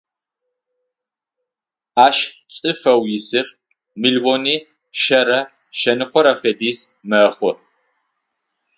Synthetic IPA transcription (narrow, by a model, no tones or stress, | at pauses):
aːʃt͡sʼɨfɐwjɪsɨr | mɨɮvoniː | ʃɐɾɐ | ʃɐnɨχʷɔɾɐfediːz | mɐχʷɔ